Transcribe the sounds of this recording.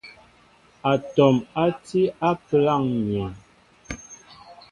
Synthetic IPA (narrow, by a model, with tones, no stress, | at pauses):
a˨tɔ˨ma˦ti˦a˦pə˨la˦˨ŋɲɛ˨